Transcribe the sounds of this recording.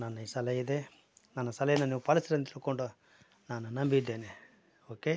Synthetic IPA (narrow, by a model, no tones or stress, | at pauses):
nɐnːɐisɐlɐjid̪e̞ | nɐnːɐsɐlɐjɐnːɐniːʋupɐlɐsɐɾɐnt̪ilkoɳɖu | naːnunɐmbid̪ːeːne | oːke